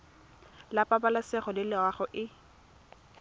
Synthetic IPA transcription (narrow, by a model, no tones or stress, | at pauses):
lapʼabalasɛχɔlɪlɪwaχɔʔɪ